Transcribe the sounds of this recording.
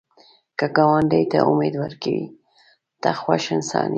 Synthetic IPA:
kəɡɑwaɳɖəjt̪aʔʊmed̪waɾkawi | t̪axwaʃənsɑ̰ni

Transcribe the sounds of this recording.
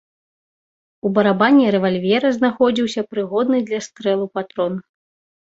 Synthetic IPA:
ubɐɾabanʲːɛɾɛvalʲvʲɛɾɐznaxɔd͡zʲiwsʲɐpɾɨɣɔd̪nɨd̪lʲɐst̪ɾɛlˠupat̪ɾɔn

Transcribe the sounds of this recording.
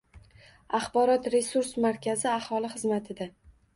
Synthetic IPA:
aχbɒɾɒt̪ɾe̞suɾsmaɾkʲʰazɪahɒlˠɪχɨzmat̪ʰɪd̪a

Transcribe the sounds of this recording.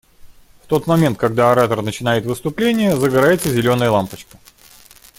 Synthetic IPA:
ft̪o̞t̪mɐmʲe̞nt̪̚kɐɡ̚d̪aɐɾat̪ərnət͡ɕɪnajɪt̪vɨst̪ʊplʲenʲɪjəzəɡɐɾajɪt̪səzʲɪlʲo̞nəjəlˠampət͡ɕkə̥

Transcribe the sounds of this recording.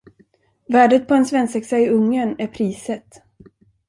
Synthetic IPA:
væːɖət̪̚pʰɔɛnsvɛnsɛksaɪɵŋːənæɾpʰɾiːsət̪

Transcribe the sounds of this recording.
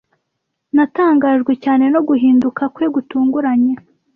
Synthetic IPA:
nataːŋɡaːʒɡwe̞caːne̞no̞ɡuɦiːndukakweɡutuːŋɡuɾaɲe

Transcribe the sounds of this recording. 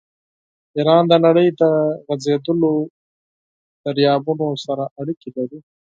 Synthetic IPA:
iɾɑːnd̪ənaɽəjd̪əɣazed̪əlo | d̪̥aɾjɑːbunosaɾaʔaɽikilaɾi

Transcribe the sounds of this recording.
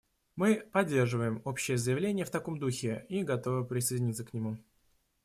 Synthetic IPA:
mɨpɐdʲːe̞rʐɨvəjɪmo̞pɕːɪjəzəjɪvlʲenʲɪjəft̪ɐko̞md̪uxʲɪiɡɐt̪o̞vɨpɾʲɪsəjdʲɪnʲit̪səknʲɪmu

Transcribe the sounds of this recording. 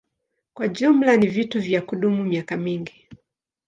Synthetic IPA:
kwaʄum̩lanivituvjakuɗumumiakamiŋɡi

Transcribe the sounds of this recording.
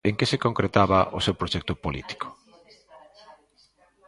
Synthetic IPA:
eŋkɪsɪkoŋkɾet̪aβɐʔosewpɾoʃɛk̚t̪ʊpolḭt̪i̥kʰo̥

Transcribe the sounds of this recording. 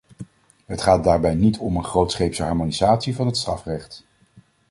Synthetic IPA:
ɦətχaːt̚daːɹbɛjnitʰɔmənχrowtsχejpsəɑɹmonizaːtsivɑnɦətstrɑfrɛχt

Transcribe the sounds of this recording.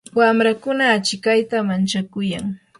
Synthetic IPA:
wamɾakʊnaːt͡ʃɪkajt̪amant͡ʃakʊjaŋ

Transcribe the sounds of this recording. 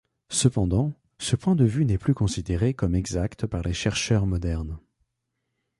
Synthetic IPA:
səpɑ̃d̪ɑ̃ | səpwɛ̃d̪əvynɛplykɔ̃sid̪eʁekɔmɛɡzakt̪paʁleʃɛʁʃœʁmɔd̪ɛʁn

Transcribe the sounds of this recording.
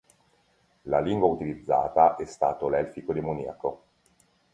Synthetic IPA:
laliŋɡwaut̪ilid̪zːa̰ːt̪aʔɛst̪aːt̪olɛlfikod̪emoniːa̰ko

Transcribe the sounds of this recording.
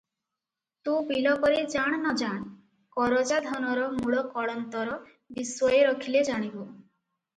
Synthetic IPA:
t̪ũbilɔkɔɾed͡ʒaɽ̃ɔnɔd͡ʒaɳ̃ | kɔɾod͡ʒad̪ʱɔnɔɾɔmuɭɔkɔɭɔnt̪ɔɾɔ | biswɔjeɾɔkʰiled͡ʒaɽ̃ibo

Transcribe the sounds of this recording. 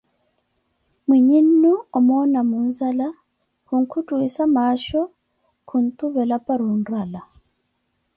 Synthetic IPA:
mwiɲinːuɔmɔnamunzala | kuŋ̩kutuisamaʃɔ | kʰun̩tuβɛlapaɾunɾala

